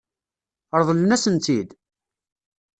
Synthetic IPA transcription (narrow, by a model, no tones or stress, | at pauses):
əɾˤðˤələnæsənt̪id̪